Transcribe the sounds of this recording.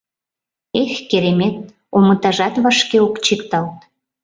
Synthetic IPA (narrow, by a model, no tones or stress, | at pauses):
exkeɾemet̪̚ | omət̪ɑʒɑt̪βɑʃkeokt͡ɕikt̪ɑlt̪